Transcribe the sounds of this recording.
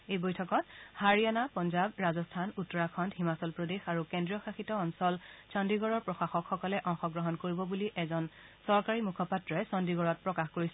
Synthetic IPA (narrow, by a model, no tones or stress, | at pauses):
ejbojtʰɔkɔthaɹijanapɔnzabɹazɔstʰanutːɔɹakʰɔntɦimasɔlpɹodexaɹukɛndɹiɔxaxitɔːnsɔlsɔndiɡɔɹɔɹpɹɔxaxɔkxɔkɔlɛʔɔ̃ŋxɔɡɹɔɦɔnkoɹibɔbuliʔɛzɔnsɔɹkaɹimukʰɔpatɹɔɛsɔndiɡɔɹɔt̚pɹɔkaxkoɹisɛ